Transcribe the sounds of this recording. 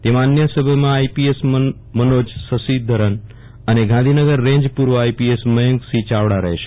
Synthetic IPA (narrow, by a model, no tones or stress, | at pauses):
t̪emãanjəsəbʱjəmãaipies | mənod͡ʒsəsid̪ʱəɾən | əneɡʱãnd̪ʱinəɡəɾːẽɲd͡ʒpuɾʋəaipiesməjə̃ŋɡsit͡ʃaʋɽaɾəɦeʃe̥